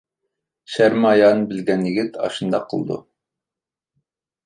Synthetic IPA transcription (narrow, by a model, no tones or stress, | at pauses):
ʃæɾmɑjɑnbɪlɡʲɛnjɪɡʲɪt̪ɑ̰ʃɨnd̪ɑqʰə̰lˠd̪ṵ